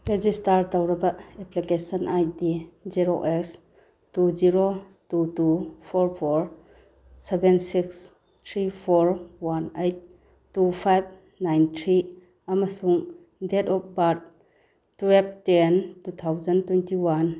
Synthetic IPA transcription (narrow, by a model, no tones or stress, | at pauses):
ɾed͡ʒistɐɾtɐwɾɐbɐeplikesɐnʔajdiziɾoʔɛks | tuziɾo | tutupʰɔɾpʰoɾ | sebensiks | t̪ʰɾipʰoɾwanejt̚ː | upʰajb̚ | najnt̪ʰɾi | amɐsuŋ | detɔp̚bat̚ː | web̚tentut̪ʰawzɐntwentiwan